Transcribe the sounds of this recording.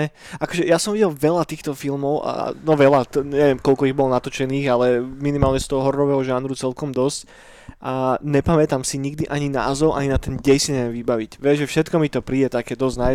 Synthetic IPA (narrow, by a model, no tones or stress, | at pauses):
ɛakɔʒɛjasɔmʋiɟɛlʋɛlat̪iːxt̪ɔfilmɔʊʔa̰nɔʋɛlat̪ɲɛʋɪɛmkɔlkɔiɣbɔlɔnat̪ɔt͡ʃɛniːɣalɛminimaːlɲɛst̪ɔɦɔɦɔɾːɔʋɛːɦɔʒaːnɾut͡sɛlkɔmd̪ɔsc | ʔaɲɛpamɛt̪amsiɲiɡd̪iʔaɲina̰ːzɔʊʔa̰ɲinat̪ɛnɟɛjsiɲɛɛɛʋibaʋicʋɛʒʒɛfʃɛt̪kɔmit̪ɔpɾiːɛt̪akɛːd̪ɔzna